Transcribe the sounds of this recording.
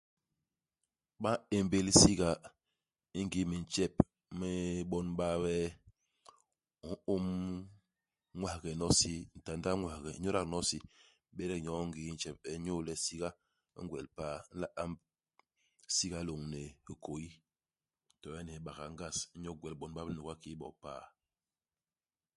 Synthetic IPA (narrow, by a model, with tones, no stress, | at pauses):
ɓa˦e˨mbe˨li˦si˦ɡa˨ | i˦ŋ˦ɡi˦mi˨n˨t͡ʃɛ˦˨p̚ | mɛ˦ɓɔ˦nɓa˦wɛ˦ | u˨˦o˦m | ŋwa˨hɡɛ˨nɔ˦si˦n̩˨ta˨nda˦ŋwa˨ɡɛ˨˦ɲo˦ɾa˦knɔ˦si˦ | ɓɛ˦ɾɛ˦kɲɔ˨˦ŋ˦ɡi˨˦n̩˦t͡ʃɛ˦˨p̚ɛ˨˦ɲo˦lɛ˦si˦ɡa̰˦ | ŋɡwɛ˨lpaː˦˨˦n̩˦la˦ʔa˦m | si˦ɡa˦lo˨ŋne˨hi˨ko˨i˦˨ | tɔ˨ɛ˦ni˨˦ɓa˨ɣa˨ŋɡa˦˨sɲo˦ɡwɛ˨lɓɔ˨nba˦nu˨ɡa˦ki˦ɓɔ̰˨pa̰ː˦˨